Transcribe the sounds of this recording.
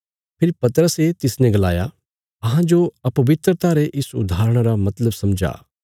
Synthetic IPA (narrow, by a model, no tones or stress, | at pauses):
pʰɪɾpɐt̪əɾəset̪ɪsnɛ̃ɡɐla̰ːja̰ | ɐɦãd͡ʒoɐpɐʋɪt̪ɾət̪aːɾeʔɪsʊ̰d̪ʱaːɾəɽ̃ɾamɐt̪ləbsɐmd͡ʒa̰ː